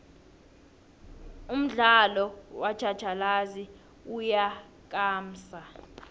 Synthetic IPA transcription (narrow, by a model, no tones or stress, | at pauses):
um̩ɮalɔwad̥ʒ̥ʱad̥ʒ̥ʱalazi | uja | k̬ʼaːm̩ːsa